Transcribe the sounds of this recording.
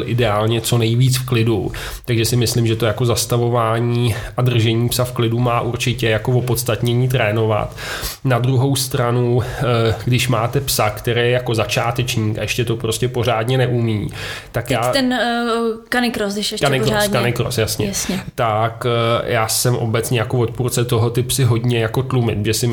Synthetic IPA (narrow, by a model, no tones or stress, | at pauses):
lʔɪdɛaːlɲɛt͡so̞nɛjviːt͡sfklɪdu | t̪aɡʒɛsɪmɪslɪmʒɛt̪o̞jako̞zast̪avo̞vaːɲiːʔadr̩ʒɛɲiːpsafklɪdumaːʔuɾt͡ʃɪcɛjako̞vo̞po̞t̪st̪at̪ɲɛɲiːt̪̬ɾɛːno̞va̰t̪ | nadɾuɦo̞wst̪ɾanu | ɡdɪʃmaːt̪ɛpsakt̪ɛɾɛːɛjako̞zat͡ʃaːt̪ɛt͡ʃɲiːka̰jɛʃcɛt̪o̞pɾo̞scɛpo̞r̝aːdɲɛnɛʔumiːt̪akjaːɛn | kanɪkɾosɪʃkannɪkɾoaskanɪkɾo̰sjasɲɛjsɲɛt̪akjʔaːsɛmʔo̞̰bɛtt͡sɲɛjako̞vo̞t̪puːɾt͡sɛt̪o̞ɦo̞t̪ɪpsɪɦo̞dɲɛjako̞t̪lumɪ̰t̪ʒɛsɪm